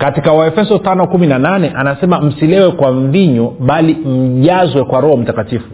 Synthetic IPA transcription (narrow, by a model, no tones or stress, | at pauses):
katikawaɛfɛsɔtanɔkuminananɛʔanasɛmam̩silɛwɛkwaɱviɲɔɓalim̩ʄazwɛkwaɾɔhɔm̩takatifu